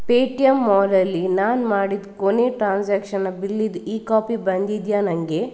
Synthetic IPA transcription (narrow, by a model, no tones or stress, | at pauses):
peːʈijɐmːɔːɾɐlːinaːnmaːɽid̪koneːʈɾaːnsaːkʃɐnɐbilːid̪iːkaːpibɐnd̪id̪jaːnɐŋɡe